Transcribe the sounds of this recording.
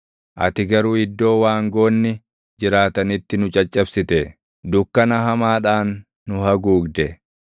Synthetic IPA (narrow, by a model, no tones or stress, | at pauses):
ʔɐ̰t̪ɪɡɐɾuːɪd̪ːo̞ːwaːŋɡo̞ːnːɪ | d͡ʒɪɾaːt̪ɐnɪt̪ːɪnʊt͡ʃʼɐt͡ʃʼːɐbsɪt̪ɛ | d̪ʊkːɐnɐɦɐmaːᶑaːnː | ʊhɐɡuːɡd̪ɛ